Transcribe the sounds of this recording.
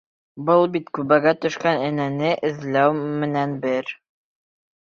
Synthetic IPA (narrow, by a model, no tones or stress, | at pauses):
bɤlˠbit̪kʉβæɡæt̪ɵ̆ʃkænɘ̆nænɘʔɘ̆ðlæwmɘ̆nænbɘɾ